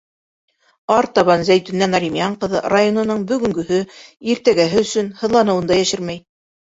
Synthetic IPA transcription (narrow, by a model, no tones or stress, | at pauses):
ɑɾt̪ɑβɑnzæjt̪ɵ̆nːænɑɾʲimjɑɴqɤ̆ðɤ̰rajonɤ̆nɤɴbɵ̆ɡɵ̆ŋɡɵ̆ɦɵiɾt̪æɡæɦɘɵsɵnhɤ̆ðlˠɑnɤ̆wɤnd̪ɑjæʃɘɾmæj